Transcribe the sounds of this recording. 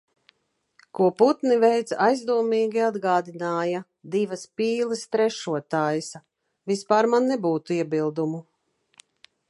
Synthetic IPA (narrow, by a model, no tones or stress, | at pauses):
kuɔput̪nivɛjt̪sajzd̪uɔmiːɡʲiad̪ɡaːd̪inaːja | d̪ivaspiːlˠist̪ɾɛʃuɔt̪aːjs | vispaːɾmanːɛbuːt̪uiɛbilˠd̪umu